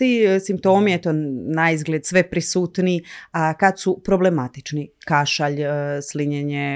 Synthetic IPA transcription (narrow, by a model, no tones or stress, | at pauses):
t̪isimp̚t̪o̞ːmijet̪onaizɡlʲed̪sʋe̞pɾisuːt̪niakad̪supɾo̞ble̞mat̪i̥t͡ʃnikaʃaʎsliɲeɲe